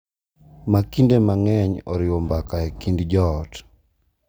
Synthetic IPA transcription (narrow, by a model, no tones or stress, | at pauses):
makindemaŋɛɲɔɾɪwɔmbakaɛkindd͡ʒɔt